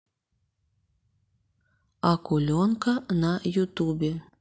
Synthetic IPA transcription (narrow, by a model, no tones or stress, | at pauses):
ɑkulʲonkanɑjut̪ubʲe